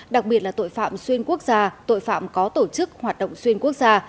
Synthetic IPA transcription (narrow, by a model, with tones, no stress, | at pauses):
ɗa˨˩k̚ɓi˨˩ət̚laː˨˩t̪o̰˧˨jfa̰ː˧˨mswi˧ənku˦˥ək̚zaː˧t̪o̰˧˨jfa̰ː˧˨mkɔ˨˦t̪o˧˩t͡ɕɨ˦˥k̚hwaː˨˩t̚ɗə̰˧˨wŋ͡mswi˧ənku˦˥ək̚zaː˧